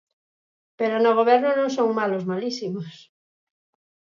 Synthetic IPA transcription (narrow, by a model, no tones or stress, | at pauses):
peɾonoɣ̞oβ̞eɾnonõŋsõŋmalozmalisimos